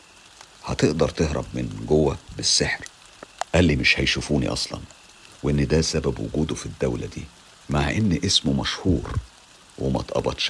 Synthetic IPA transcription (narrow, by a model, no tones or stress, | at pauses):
hɑt̪eʔd̪ɑɾˤt̪ehɾɑ̰bmɪnɡowːæbesːeħɾ | ʔælːimeʃhæjʃufuːnḭʔɑ̰sˤlɑ̰n | weʔenːd̪æsæbæbwʊ̰ɡuːd̪ofid̪ːæwlæd̪iː | maʕʔenːʔesmomæʃhuːɾ | wemæ̰t̪ʔɑ̰bɑt̪ʃ